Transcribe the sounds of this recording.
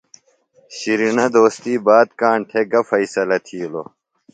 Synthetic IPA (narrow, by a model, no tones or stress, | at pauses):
ɕiɾinɐd̪oːst̪iːbaːd̪̚kaːɳʈʰeɡɐfɐisɐlɐt̪ʰiːlo